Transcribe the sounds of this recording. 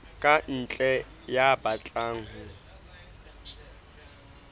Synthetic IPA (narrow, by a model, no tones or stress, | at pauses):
kʼan̩t͡ɬʼɛ | jabat͡ɬʼaːŋ̩hʊ